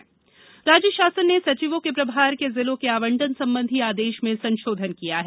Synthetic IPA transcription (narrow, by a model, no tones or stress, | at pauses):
ɾaːd͡ʒəʃaːsənːesɐt͡ʃiʋõkepɾɐbʱaːɾkezɪlõkeaːʋə̃ɳɖənsɐ̃mbə̃nd̪ʱiaːd̪eːʃmẽsɐ̃nʃoːd̪ʱənkijaɦɛː